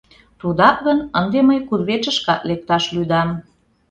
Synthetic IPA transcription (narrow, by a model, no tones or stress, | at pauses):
t̪ud̪ɑk̚ɣənənd̪eməjkurβet͡ʃəʃkɑt̪lek̚t̪ɑʃlyd̪ɑm